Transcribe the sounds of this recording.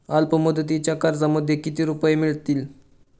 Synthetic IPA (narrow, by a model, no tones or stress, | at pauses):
alpəməd̪əd̪it͡ɕjakaɾd͡zaməd̪ʱjekit̪iːɾupəjemiɭt̪iːl